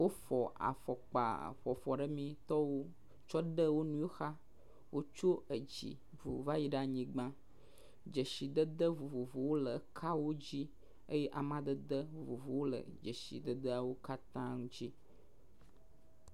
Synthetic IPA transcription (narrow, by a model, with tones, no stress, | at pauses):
wo˦fɔ˨a̰˨fɔ˨k͡pa̰˨ɸɔ˨fɔ˨ɖə˦mĩ˨t̪ɔ˦wo˦ | t͡ʃɔ˦ɖə˦wo˦nũ˦jo˦xa˦ | wʔo˦t͡ʃo˦ə˨d͡ʑḭ˨ | vṵ˨va˦ji˦ɖa˦ɲĩ˦ɡ͡bã˦ | d͡ʒə˨ʃi˨d̪ə˦d̪ə˦vu˨vu˨vo˨wo˦lə˨kʰa˦wo˦d͡ʑi˦ | ə˦jɛ˦ʔa˨mã˦d̪ə˦d̪ə˦vu˨vu˨vo˨wo˦lə̰˨d͡ʒə˨ʃḭ˨d̪ə˦d̪ə˦a˨wo˦ka˦t̪ã˦ŋũ˦d͡ʑi˦